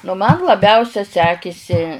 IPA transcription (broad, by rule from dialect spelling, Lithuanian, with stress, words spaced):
nʊ ˈmɐn lˠɐˈbʲɛʊsʲɛ ˈsʲæːkʲɪsʲɪ